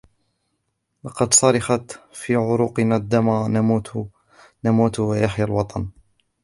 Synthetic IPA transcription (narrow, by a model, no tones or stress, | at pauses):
lɑqɑd̪sˤɑɾˤɑxɑt̪fiːʕʊɾuːqɨnad̪ːaman | namuːt̪wajaħjalwɑt̪ˤɑn